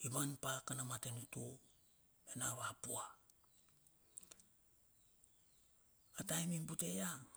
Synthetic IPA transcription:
iβanpakanamatenutu | enaβapua | atajmimbute̞ja

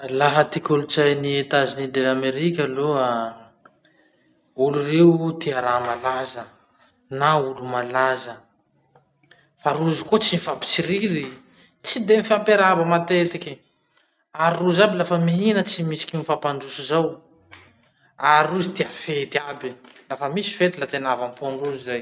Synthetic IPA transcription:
laɦət̪ikʲulut͡sajniet̪azinid̪elameɾikʲaloa | ulurewt̪iaɾamalazə | naulumalazə | faɾuzikot͡sinifapi̥t͡siɾiɾi | t͡sid̪emifampeɾabəmat̪et̪ikʲi | aɾiruzabilafəmiɦinət͡simisi̥kʲinifapaɳɖ͡ʐusizaw | aɾiuzit̪eafet̪iabilafəmisi̥fet̪ilat̪enavampoɳruzizaj

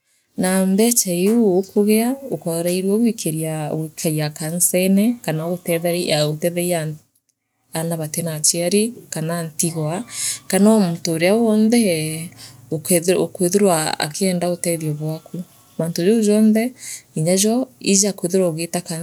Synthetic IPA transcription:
nambɛt͡ʃaiuokoɣɛaokaɾaiɾwaɣwikʰeɾiawikʰaiakansɛnɛkanaotɛðɛaotɛðɛia | anaβatenat͡ʃiaɾikanantiɣwakanamotoːɾeawɔnðɛ | ookweðoɾwaa̰keɛːndaotɛðiɔβwaku | mantod͡ʒouʒɔːnðɛiɲaʒɔizakweðeɾaoɣetaka

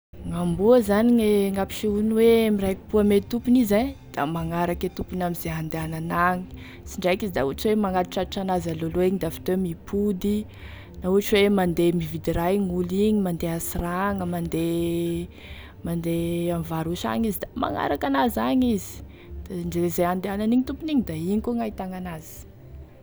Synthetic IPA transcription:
ŋambuəzaniɲeŋapi̥ʃiunwemirajki̥buamet̪upunized̪̥amaŋaɾaket̪upunamizeɦand̪eananaŋi̥ | t͡siɳɖ͡ʐajkizid̪auaʈ͡ʂwemaŋat̪i̥ʈ͡ʂaiʈ͡ʂanazaloloeɲid̪afi̥t̪owemipʰud̪i | nauɦaʈ͡ʂwemand̪emivid̪iɾaɲuliɲimand̪easraŋəmand̪e | mand̪eamivaɾuʃa̰ɲizid̪ama̰ŋa̰ɾakanazaɲizi̥ | d̪̥aɳɖ͡ʐeezeand̪eananiɲit̪upuiniɲid̪aiɲikuŋait̪aŋanaz̥i̥

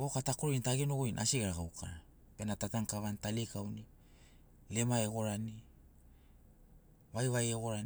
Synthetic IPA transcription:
okatakoɾointaɡenoɡojnʔa̰siɡeɾaɣawkʰa̰ɾa | pe̞natataŋkaβantalikawni | le̞maeɣo̞ɾani | vajvajeɣo̞ɾan

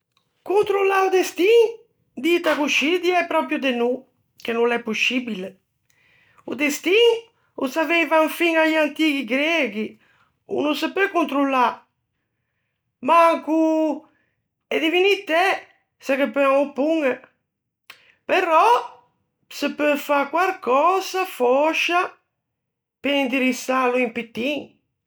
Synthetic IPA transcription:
kunt̪ɾulːaud̪est̪iŋ | d̪it̪akuʃid̪iɛpɾɔpjud̪enu | k̟enulɛpːuʃibile | ṵd̪est̪iŋ | ṵsavejvaɱfiŋajant̪ikiɡɾɛɡi | ṵnusəpøkunt̪ɾulːa | maŋku | ɛd̪ivinit̪ɛ | sakepːeamupuŋə | peɾɔ | səpːɛfakwaɾkɔːzafɔʃa | peind̪iɾisːaluimpit̪ːiŋ

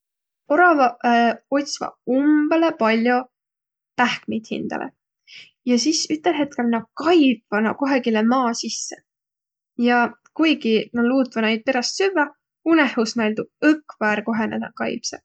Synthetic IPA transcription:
o̞ɾɑvɑo̞t̪ʲsvɑ̰umb̥elepɑlʲjo̞ | pæhkmijd̪̥hḭnd̪̥ɑ̰lʔḛ | jɑsisyt̪ːˑelɦe̞t̪̚ke̞lnɑkɑjb̥vɑnɑko̞ɦeɡilemɑːsisːe̥ | jɑkujɡinɑluːt̪vɑnɑjd̪̚pe̞ɾɑst̪syvːɑ | unehusmæld̪ub̚ɤkːvæːɾko̞ɦe̞nḛd̪ɑ̰kɑjpse

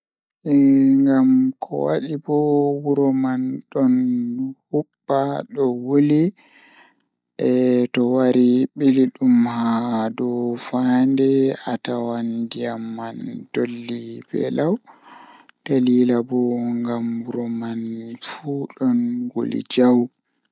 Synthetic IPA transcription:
ʔɛŋɡamkʰɔ̰wa̰ɗibɔwuɾɔmanɗɔnhubːaɗɔwuli | ʔɛtɔwaɾiɓiliɗumhadɔfandɛatawandijamːand̥olːibɛ̰law | d̥aliːlabɔŋɡamwuɾɔmanfuɗɔnɡo̰lḭd͡ʒaw

